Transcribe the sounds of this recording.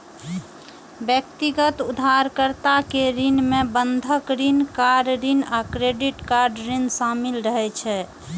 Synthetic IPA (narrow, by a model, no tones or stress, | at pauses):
bjəkt̪iɡət̪ud̪ʱaɾkəɾt̪akeɾinmebənd̪ʱəkɾinkaɾɖɾinakɾeɖiʈkaɾɖɾinsamilɾəɦɛt͡ʃʰɛ